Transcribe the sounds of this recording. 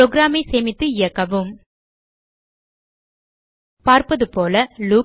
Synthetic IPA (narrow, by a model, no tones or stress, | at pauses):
oːɡɾaːmɐɪseːmɪt̪ːɯɪjɐkːɐʋɯm | paːɾpɐðɯpoːlɐluː